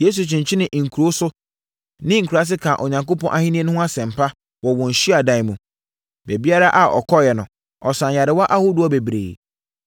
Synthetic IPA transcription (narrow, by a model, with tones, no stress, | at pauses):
je˦s̬u˨t͡ɕʰɪ̃˨ɲ˨t͡ɕʰɪ˦nɪ̃˨ʔŋ̩˨kʰu˨ɾo˦sʊ˦ | nɪ̃˦ŋ̩˨kʰu˨ɾa˦s̬ɪ˦kʰã˨ʔo˨ɲã˨ŋko˦pʰɔ̃˦ʔa˦hĩ˦nĩ˦e˦nʊ̃˦hʊ̃˦a˦sɛ̃˨m̩˨pʰa˦ | wɔ˨wɔ̃˨ɲ̩˨ɕi˦a˨dã˨ɪ˦mũ˨ | be˨bi˦a˦ɾa˦ʔa˨ɔ̰˨kʰɔ˦jɛ˨nʊ̃˨ | ɔ˨sã˨ja˨ɾɪ˨wa˦ʔa˦hʊ˦dʊ˦ɔ˦be˨bɾḛː˨